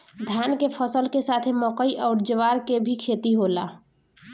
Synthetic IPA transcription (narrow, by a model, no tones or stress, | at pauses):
d̪ʱjankepʰəsəlkesat̪ʰemɔkəiʔɔːɾd͡ʒəʋaɾkebʱikʰet̪iɦola